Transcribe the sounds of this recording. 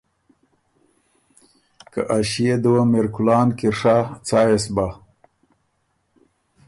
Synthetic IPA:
ka̰ʔaɕijed̪uwameɾkulɑːnkiɾʂat͡saːjesba

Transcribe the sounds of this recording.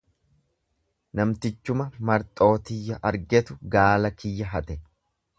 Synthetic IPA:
nɐmt̪ɪt͡ʃːʊmɐmɐɾt̪ʼo̞ːt̪ɪjːɐʔɐɾɡɛt̪ʊɡaːlɐkɪjːɐɦɐt̪ɛ

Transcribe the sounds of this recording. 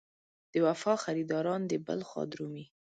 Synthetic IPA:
d̪̥əwafɑxaɾid̪ɑɾɑnd̪əbə̰lxɑ̰d̪ɾumi

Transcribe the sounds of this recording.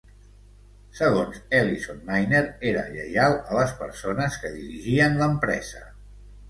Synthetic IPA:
səɣ̞onzɛlisonmajneɾeɾə̰ʎə̰jalˠələspəɾsonəskəðiɾiʒiənləmpɾɛ̰z̥ə

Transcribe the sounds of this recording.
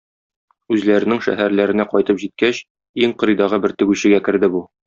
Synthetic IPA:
ʉzlæɾɘ̆nɘŋʃæ̰ɦæɾlæɾɘ̆næqɒjt̪ɤpʑit̪̚kæɕ | iŋqɤ̆ɾɤjd̪ɑʁɤbɘɾt̪ɘ̆ɡʉɕɘ̆ɡækɘ̆ɾd̪ɘbu

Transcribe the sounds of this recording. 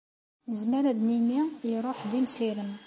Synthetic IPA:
nəzmæɾæd̪ninijɾˤoħd̪imsiləm

